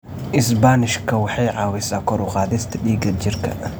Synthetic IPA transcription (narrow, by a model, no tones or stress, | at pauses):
ʔɪs̬banɪʃkʰɐwɐħajʕaːwɛsɐkɔɾuxaːd̪ɛst̪ʰɐɗiːɡɐd͡ʒɪɾkʰɐ̰